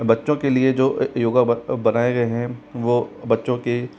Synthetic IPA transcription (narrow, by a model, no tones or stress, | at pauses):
bɐtːʃõkelied͡ʒoːjoːɡabɐnaːeɡɐeɦɛ̃ʋoːbɐtːʃõke